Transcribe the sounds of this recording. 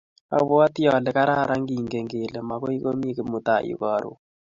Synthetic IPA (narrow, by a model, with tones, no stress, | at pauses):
a̰˨βɔ˦a˦tjɔ˨lɛ˨ka˦ɾa˦ɾa˦ŋɡi˨ŋɡe˨ŋɡe˨le˨ma˨kɔ˦i˦ko˦m˦i˦ke˨mu˨ta˨ʔḭ˨˦kɔ˨ɾṵ˨